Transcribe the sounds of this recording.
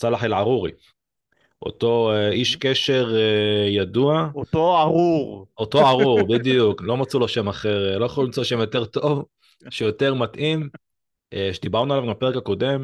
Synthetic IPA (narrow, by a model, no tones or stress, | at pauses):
t͡salaħelʕaʁuʁḭ | ʔo̞̰to̞eiʃkeʃe̞ʁejad̪uaooaʁuʁot̪o̞aʁuʁbid̪ijuklo̞mat͡sulaʃe̞maχe̞ʁlo̞jaχolulimt͡soaʃe̞mjo̞te̞ʁt̪o̞v | ʃejo̞te̞ʁmat̪ʔim | ʃed̪ibaʁnualavimape̞ʁekako̞d̪e̞m